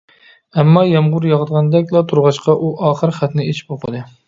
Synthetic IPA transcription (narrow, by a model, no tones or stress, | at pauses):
æmːɑjɑmʁʊɾjɑʁd̪ʁɑnd̪ɛkʲlˠɑt̪ʰuɾʁɑʃqɑʔuʔɑːχɨɾχæt̪nɪet͡ʃʰi̥poqʰəd̪ɨ